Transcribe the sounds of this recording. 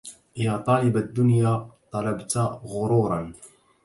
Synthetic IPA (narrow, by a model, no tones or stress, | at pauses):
ʔɪlaːt̪ˤɑːlɪbad̪ːʊnjaːt̪ˤɑlɑbt̪ɣʊɾuːɾˤɑn